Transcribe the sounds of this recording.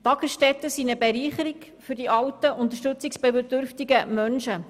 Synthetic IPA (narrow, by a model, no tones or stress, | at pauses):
t̪ɑɡəsʃtɛt̪əsiːnəbɛɾiːχəɾik | fʏɾdiʔɑwtəʔʊnt̪əʃtɵt͡sɪksb̥ɛbədøɾftiɡəmœnʃə